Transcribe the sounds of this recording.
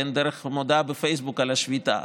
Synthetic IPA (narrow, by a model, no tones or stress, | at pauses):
end̪eɾeχmod̪abefejsbukalaʃvit̪a̰